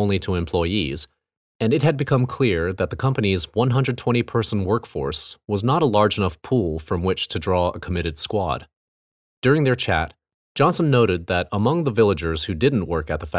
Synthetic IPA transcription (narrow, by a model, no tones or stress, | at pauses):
ʊ̃nliɾəɛɨ̃mpʰl̥ɔɪḭz | ɨ̃nɨt̚ɦɨd̚bɨkʰʌ̃mkʰl̥ɪɹðɨt̪̚ðəkʰʌ̃mpɨnizwʌ̃nɦʌ̃ndɹɨd̚tʰw̥ɛ̃ɾ̃ipʰɜ˞sn̩wɜ˞kfɔ̰ɹswʌznəɾəlɑɹd͡ʒɨnʌfpʰulˠfɹʌ̃mwɪt͡ʃtʰɨdɹɔə̰kʰəmɪɾɨd̥skwɑ̰d̥̚ | d̥ʊɹɪ̃ŋðə˞t͡ʃʰæ̰t | d̥ʒ̥ɑ̃nsə̃n̩ːoʊɾɨd̪̚ðɨɾəmʌ̃ŋðəvɪlˠəd͡ʒə˞z̥hʉdɪdⁿn̩ʔwɜ˞kɨt̪̚ðəfæ